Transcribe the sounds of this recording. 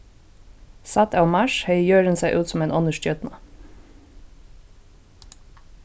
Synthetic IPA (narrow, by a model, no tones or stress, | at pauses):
sɑt̪ɑʊmɑʃhœʏjøːɾənsæɪʔʉːt̪sɔmeːnʔɔnəʃtjœt̪nɑ